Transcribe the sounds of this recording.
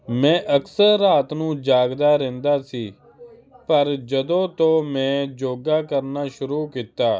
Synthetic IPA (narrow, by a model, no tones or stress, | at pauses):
mɛ̃ːʔəksəɾːaːt̪nũːd͡ʒaːɡd̪aːɾẽːnd̪aːsiː | pəɾd͡ʒəd̪õːt̪oːmɛ̃ːd͡ʒoːɡaːkəɾnaːʃʊɾuːkit̪aː